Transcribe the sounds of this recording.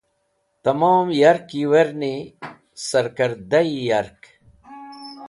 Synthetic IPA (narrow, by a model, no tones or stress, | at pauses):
t̪ɐmaːmjɐɾkiweɾni | sɐɾkɐɾd̪ɐijɐɾk